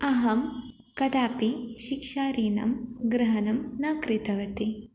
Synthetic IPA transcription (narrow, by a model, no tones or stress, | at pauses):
ɐɦɐm | kɐd̪aːpiʃikʂaːɾiːnɐ̰mɡɾɐɦɐnɐmnaːkɾɪt̪ɐʋɐt̪i